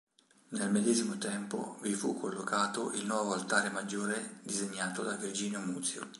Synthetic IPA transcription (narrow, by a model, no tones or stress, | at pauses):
nelmed̪ɛːzimot̪ɛmpo̰vifukʰːolːokʰaːt̪oʔilnwɔːvoalt̪aːɾemad͡ʒːoːɾed̪izeɲːaːt̪od̪avird͡ʒiːnjomut̪sjo̰